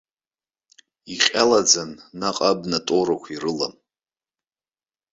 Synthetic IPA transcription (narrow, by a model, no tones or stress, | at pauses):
iχʲʼalad͡zanːaqʼabnatʼoɾakʷʰirɨla̰m